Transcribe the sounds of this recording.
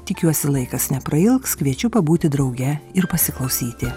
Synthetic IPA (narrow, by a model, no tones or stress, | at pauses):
t̪ʲɪkʲuɔsʲɪlˠɐɪkɐsnʲɛpɾɐɪlˠkskʋʲiɛt͡ʃʲʊpɐbuːt̪ʲɪd̪ɾɒʊɡʲɛɪɾpɐsʲɪklˠɐʊsʲiːt̪ʲɪ